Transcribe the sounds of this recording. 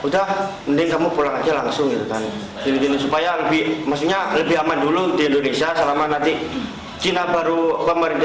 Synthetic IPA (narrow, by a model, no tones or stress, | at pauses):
udah | məndɪŋkamupulaŋad͡ʒalaŋsʊŋɡit̪ukan | kilit̪inisupajaləbɪhmaksukɲaləbɪɦamanduludiindonesiasəlamanant̪i | t͡ʃinabaɾubamaɾid̪